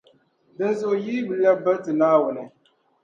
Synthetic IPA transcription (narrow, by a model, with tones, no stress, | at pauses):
dɨ˦nzʊ˨ʔjiː˦bɨ˨la˦ba˦tɨ˨naː˦wʊ˨nɨ˨